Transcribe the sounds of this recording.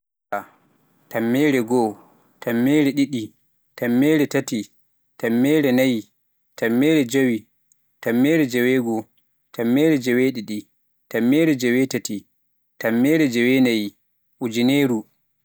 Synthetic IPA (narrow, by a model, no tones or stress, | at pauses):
a | tamːɛːɾɛɡɔ | tamːɛːɾɛɗiɗi | tamːɛːɾɛtati | tamːɛːɾɛnaji | tamːɛɾɛd͡ʒawi | tamːɛɾɛd͡ʒɛwɛɡɔ | tamːɛːɾɛd͡ʒɛwɛɗiɗi | tamːɛːɾɛd͡ʒɛwɛtati | tamːɛːɾɛd͡ʒɛwɛnaji | ʔud͡ʒineːɾu